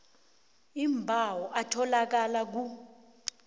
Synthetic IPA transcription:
imbʱawɔʔatʰɔlak̬alak̬u

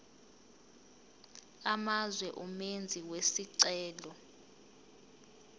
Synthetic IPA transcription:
amazwɛʔumend͡zʱiwesiǀɛːlɔ

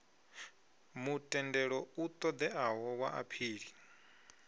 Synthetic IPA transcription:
mutʼɛndɛɺɔut̪ʼɔd̪ɛʔaɦɔwaʔa̰pʰiːɺi

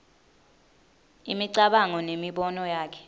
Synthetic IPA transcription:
imiǀaɓaŋɔnemiɓɔnɔjaːkʰɛ̥

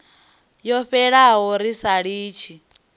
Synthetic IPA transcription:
jɔɸɛɺaɦɔɾisaɺiːt͡ʃʰi

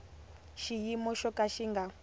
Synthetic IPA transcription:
ʃijimɔʃɔkaʃiŋɡa

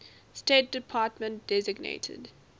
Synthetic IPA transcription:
steːt̚d̥ɪpʰaːtmə̃ntd̥ɛzɪɡnḛɪtʰə̰d

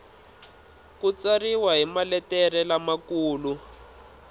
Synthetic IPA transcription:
kut͡sariwaɦimalɛtɛrɛlamakuːlu

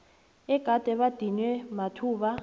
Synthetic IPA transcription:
ɛɡ̥ʱad̥ʱɛɓad̥ʱinwɛmatʰuːɓa

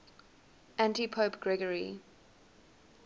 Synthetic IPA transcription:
ʔæ̃ntipʰoːpɡ̥ɹɛɡəɹḭ

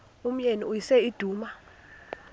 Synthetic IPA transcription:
um̩ɲeniujisɛid̥ʱuːma

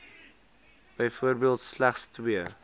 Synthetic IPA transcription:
b̥əjfuərbiəlˠtslæχstwiə

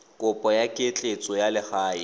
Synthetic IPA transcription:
kʼʊpʼɔjakʼɪet͡ɬʼet͡sʼɔjalɪχaːi

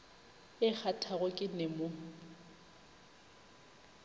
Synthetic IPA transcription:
ɪk͡xʰatʰaɣʊkʼɪnɛmo

